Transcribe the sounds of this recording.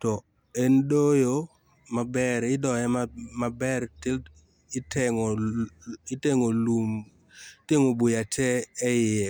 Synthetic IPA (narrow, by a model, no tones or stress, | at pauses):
tɔ | ɛndojo | mabɛɾɪdɔɛmamabɛɾtɪl | ɪtɛŋ | ɪteŋolum | teŋobujatʰɛːjɪɛ